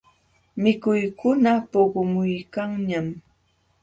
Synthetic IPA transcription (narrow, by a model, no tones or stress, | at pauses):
mɪkʊjkʊnapoɢomʊjkaŋɲam